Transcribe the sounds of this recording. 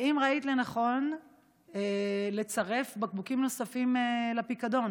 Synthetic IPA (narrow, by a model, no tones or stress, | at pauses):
imʁait̪lenaχo̞n | ele̞t͡saʁe̞fbak̚bukimno̞safimelapikad̪o̞n